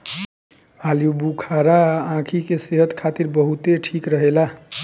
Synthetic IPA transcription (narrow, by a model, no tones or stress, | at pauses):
aljubukʰaɾaãkʰikeseɦət̪kʰat̪iɾbəɦut̪eʈʰikɾəɦela